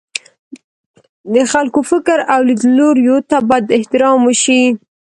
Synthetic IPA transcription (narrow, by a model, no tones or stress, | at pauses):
d̪əxalkofɪkɾawlid̪loɾjot̪abajd̪ɪht̪ɪɾɑməʃi